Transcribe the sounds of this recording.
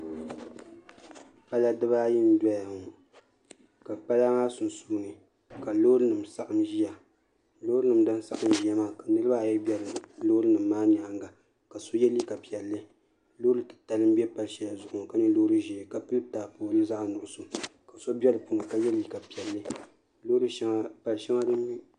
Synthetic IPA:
pa˦la˦dɨ˦ba˦ji˦n˦da˦ja˨hʊ˨ŋ˨ | ka˨k͡pa˦la˦ŋaː˦sʊ˨nsu˨bŋɨ˨ | ka˨lo˦ɾɨ˦nɨ˨msa˦ʔa˨mʒi˦ja˨ | loː˦ɾɨ˦nɨ˨mdɨ˦n˦sa̰˦ʔa˨mʒi˦ja˦maː˦˨ka˨nɨ˦ɾɨ˦ba˦a˨jɛ˦bɛ˦lɨ˨lo˦ɾɨ˦nɨ˨mː˦aː˦ɲ˨a˨˦ŋ˦ɡa˨ | ka˨so˦jɛ˦li˦ka˨pi˨ɛ˨lːɨ˦ | lo˦ɾɨ˦tɨ̥˨ta˨lɨ˦m˦bɛ˦pa˨lʃɛ˦ja˨zʊ˨ʔʊ˨ŋ˨ka˦ɲɛ˦loː˦ɾɨ˦ʒi˨ka˨pɨ˦lɨ˦ta˨poː˨lɨ˦za˦ʔnʊ˨ʔʊ˨so˨ka˨so˦bɛ˦lɨ˨po˨ŋa˨ka˦jɛ˦li˦ka˨pi˨ɛ˨lːɨ˦ | loː˦ɾɨ˦pa˨lʃɛ˦ŋa˦dɨ˦mː˦i˦

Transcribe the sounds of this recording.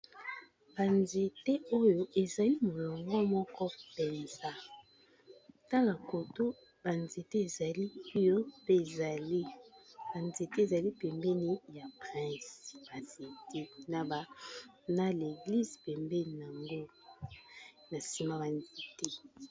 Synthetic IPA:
b̥a˨nze˨te˦o˦jo˦ʔe˨za˨li˦mo˨lɔ˨ŋɡɔ˦mɔ˦kɔ˦pɛ˨nza˦ | ta˦ka˨ko˨to˦ | ba˨nze˨te˦e˨za˨li˦o˦jo˦pe˦e˨za˨li˦b̥a˨nze˨te˦e˨za˨li˦pɛ˨mbɛ˦ni˦ja˨pʁɛ̃˦sb̥a˨ze˨te˦na˨ba˨ | na˦le˨ɡli˦zpɛ˨mbe˦n˨na˨ŋɡo˦ | na˨si˨ma˦ba˨nze˨te˦

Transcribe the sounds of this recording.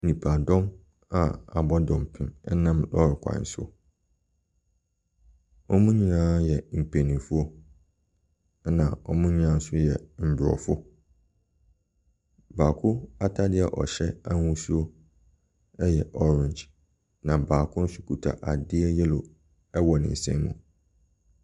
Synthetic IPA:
nĩ˨pʰa˨dɔ̃˦m | a˨a˨bɔ˦dɔ̃˨m˨pʰɪ̃˨mɛ˦nã˦mlɔ˦ɾkʷʰã̰˨n˨sʊ̰˦ | ɔ˦mũ˦ɲĩ˦nãː˦jɛ˨m̩˨pʰe˨nĩ˨fu˦o˦ | nã̰˨ɔ˦mũ˦ɲĩ˦ã˦n̩˦sʊ˦jɛ˨m̩˨bɾɔ̰˨fʊ˦ | baː˨kʰʊ˦a˦tʰa˦dɪ˦ɛ˨ʔɔ̰˨ɕɛ˦a˦ŋũ˦su˦o˦ | ɛ˦jɛ˨ʔɔ˦ɾɪ̃˨ɲd͡ʒ | nã˨baː˨kʰʊ̃˦n̩˦sʊ˦kʰu˨tʰa̰˨ʔa˨dɪ˦ɛ˦jɛ˦lo˨ | ɛ˦wɔ˨nɪ̰̃˨n̩˨sɛ̰̃˦mṵ̃˨

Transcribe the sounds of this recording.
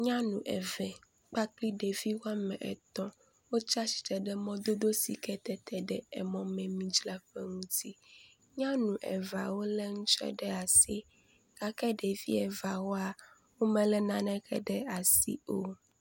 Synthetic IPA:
ɲã˦nũ˨ʔɛ̰˨vɛ˨ | k͡pa˦k͡pli˦ɖe˨vi˦wo˦a˦mɛ̰̃˨ʔɛ̰˨t̪ɔ̃˦ | wo˦t͡ʃa˦si̥˨t̪ɛ˨ɖɛ˦mɔ̃˦d̪o˦d̪o˦sḭ˨kɛ˦t̪ɛ˦t̪ɛ˨ɖɛ˦ɛ̰˨mɔ̃˨mɛ̃˨mĩ˨d͡ʒla˦ɸɛ˦ŋũ˦t̪ʰi˦ | ɲã˦nũ˨ʔɛ̰˨va˨wo˦lɛ˦ŋũ˦t͡ʃɛ̰˦ɖɛ˦a˨si˦ | ka˦kɛ˦ɖe˨vi˦ɛ˨va˨wo˦a˨ | wo˦mɛ̃˨lɛ˦nã˦nɛ̃˦kʰɛ̰˦ɖɛ˦a˨sḭ˦o˦

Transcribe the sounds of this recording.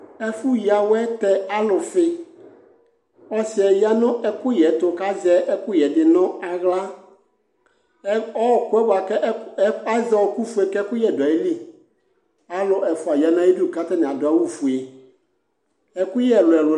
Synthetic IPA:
ɛ˦fu˦ji˨a˨wɛ˦t̪ɛ˦a˦lʊ˨fɪ˦ | ɔ˦sɪ˨ɛ˨ja˦nʊ̃˦ɛ˦kʊ˦jɛ˨t̪ʊ˨ka˦zɛ˦ʔɛ˦kʊ˦jɛ˨dɪ˨nɔ̃˦a˨ɣla˦ | ɔ˦˨kʊ˦ɛ˦bʊ˨a˨kɛ˦a˦za˦wɔ˦ku˦fu˦ɛ˨kɛ˦kʊ˦jɛ˨dʊ˨a˨ji˦li˦ | a˨lʊ˨ʔɛ˨fʊ˨a˨ji˨a˨nã˨˦ji˦du˦˨ka˦t̪a˦nɪ̃˨a˨dʊ˨a˨wu˦fu˨e˨ | ɛ˨kʊ˦jɛ˨lʊ˨ɛ˨lʊ˨

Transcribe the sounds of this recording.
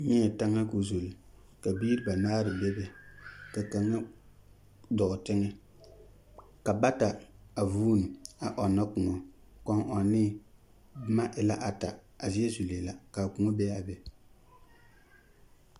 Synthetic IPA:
ɲɛ˦ɛ˨ta˦ŋa˦ku˨zo˨li˨ | ka˨biː˦ɾɪ˦ba˨naː˦ɾɨ˨bɛ˦bɛ˨ka˨ka˨ŋa˦ | dɔ˨ʔʊ˨tɪ˦ŋɛ˦ | ka˨ba˦ta˨a˨vuː˦nu˨a˨ʔɔ˨nːa˦kʊ˨ŋɔ˨ | kɔ˦ŋʔɔ˨nɪ˦ | bma˦ʔɪ˨la˦ʔa˨ta˨ | a˨zi˦ɛ˦zu˨le˨la˨ka˨kʊ˨ŋɔ˦bɛ˦a˨bɛ˨

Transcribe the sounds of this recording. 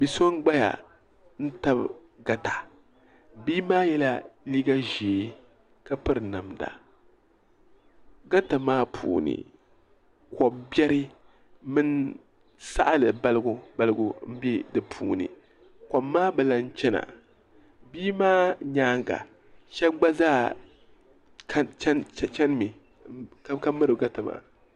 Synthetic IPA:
bi˨so˦nɡ͡ba˦ja̰˨ | n̩˦ta˦b | ɡa˦ta˨ | biː˦maː˦jɛ˦la˦liː˦ɡa˦ʒeː˨˦ | ka˦pɨ˦ɾɨ˨na˨mda̰˨ | ɡa˦ta˨maː˦pʰṵː˨nɨ̰˨ | kɔ˨bbɛ˦ɾɨ˦ | mɨ˦n | sa˦ʔa˦lɨ˨ba˦lɨ˦ɡu˦ba˦lɨ˦ɡu˦m̩˦bɛ˦dɨ˨pʰuː˨nɨ̰˨ | kɔː˨aː˦bɨ˨la˦n˦t͡ʃɛ˦na̰˨ | biː˦maː˦ɲaː˦ŋɡa̰˨ | ʃɛ˦ɡ͡ba˦zaː˦˨ | a˦t͡ʃn˦t͡ʃɛ˦n˦mi˨ | ka˦ka˦mɨ˦ɾɨ˨ɡa˦ta˨ma̰ː˦

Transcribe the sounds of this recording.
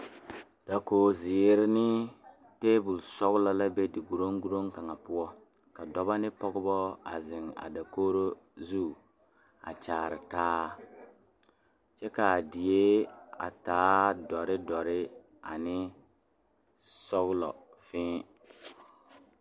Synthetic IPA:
da˨koː˨zɪ˨˦ɾɪ˦nɪ˦ | te˦bʊ˨lsɔ˦ɣʊ˦lɔ˨la˦be˦dɪ˨ɡu˨ɾo˦ŋɡu˦ɾo˦ŋka˨ŋa˨pʊ˦ɔ˦ | ka˨dɔ˦ba˦nɪ˦pɔ˦ɡʊ˦bɔ˦a̰˨zɪ˨ŋa̰˨da˨koː˦ɾo˦ | zu˦˨ | a̰˨t͡ʃaː˨ɾɪ˨taː˦ | t͡ʃɛ˦ka˨dɪ˨je˦a̰˨taː˦dɔ˨ɾɪ˦dɔ˨ɾɪ˦ | a̰˨nɪ˦ | sɔ˦ɣʊ˦lɔ̰˨ | fɪ̃ː˦

